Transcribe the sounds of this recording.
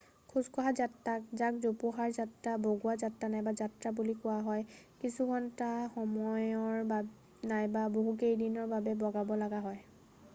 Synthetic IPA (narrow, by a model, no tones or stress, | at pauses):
kʰuzkɔɦazatːak̚zak̚zopuɦaɹzatɹaboɡuazatɹanajbazatɹabulikʊwaɦɔjkisukʰɔntaxɔmɔjɔɹba | najbaboɦukejdinɔɹbabɛbɔɡabɔlaɡaɦɔj